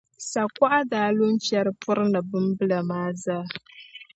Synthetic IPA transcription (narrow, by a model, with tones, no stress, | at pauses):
sa˨kʷa˦ʔa˦daː˨˦lʊ˦nt͡ʃɛ˦ɾɨ˦pʰʊ˦ɾnɨ˨bɨ˦mbɨ˦la˨maː˦zaː˦